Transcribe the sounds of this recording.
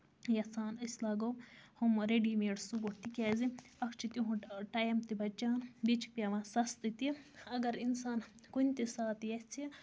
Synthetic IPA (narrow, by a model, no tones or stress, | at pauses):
jɐsaːnɐslaːɡohumɾeɖiːmeːɽsuɡoʈt̪ikʲaːziɐkʰt͡ʃʰit̪iɦũʈaːjmt̪ibɐt͡ʃaːnbit͡ʃʰk̚piaʋãːsɐst̪it̪iɐɡɐɾinsaːnkunʲt̪isaːt̪jet͡sʰi